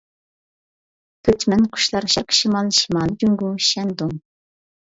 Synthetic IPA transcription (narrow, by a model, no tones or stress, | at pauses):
pʰøt̪mɛnqʰʊ̥ʃlˠɑɾʃɛɾqʰʃimɑlˠʃimɑlˠd͡ʒyŋɡuʃɛnd̪uŋ